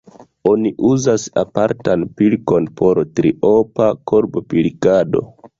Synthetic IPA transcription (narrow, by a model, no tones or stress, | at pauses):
oniʔuzasapaɾtanpilko̞npʰo̞ɾtɾiopakoɾbopilkado̞̰